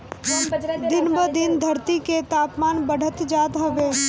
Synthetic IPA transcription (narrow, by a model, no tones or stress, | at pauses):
d̪ɪnbəd̪ɪnd̪ʱɐɾt̪iket̪aːpmaːnbəɽ̤ʱət̪d͡ʒaːd̪ɦɐʋeː